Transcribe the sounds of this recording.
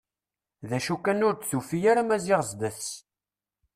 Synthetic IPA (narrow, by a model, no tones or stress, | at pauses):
ðæʃukːænʊɾd̪θufijaɾamæziʁzd̪əθ